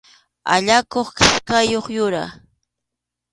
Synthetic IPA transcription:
a̰ʎakoχkɪ̥ʃkajoχjʊɾa̰

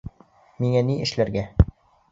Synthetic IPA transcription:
miŋæniɘ̆ʃlæɾɡæ

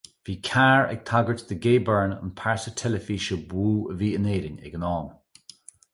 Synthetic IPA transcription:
v̥iːkʰaːɹɛ̰ɡ̥̚t̪ʰaɡəɹtd̪əɡeːbəɹnə̰npʰaɹsətʰɛləfiːʃəbuːə̰viːəneːɾɪnɛ̰ɡənɑːm

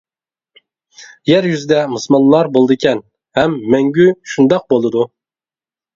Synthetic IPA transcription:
jæɾjyzɪd̪ɛmɨsmɑnlːˠɑɾbolˠd̪ɨkʲʰɛn | hɛmːɛŋɡʲyʃund̪ɑq̚bolˠɨd̪u

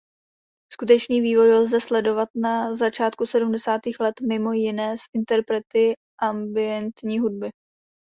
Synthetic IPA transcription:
skut̪ɛt͡ʃniːviːvo̞jlzɛslɛdo̞vat̪nazat͡ʃaːt̪kusɛdumdɛsaːt̪iːxlɛt̪mɪmo̞jɪnɛːsʔɪnt̪ɛɾpɾɛt̪ɪ | ʔambɪɛnt̪ɲiːɦud̚bɪ

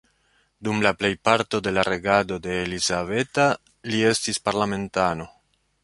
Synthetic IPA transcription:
dumlaple̞jpaɾto̞de̞laɾe̞ɡado̞de̞ːlizave̞ta | lie̞stispaɾlame̞ntano̞

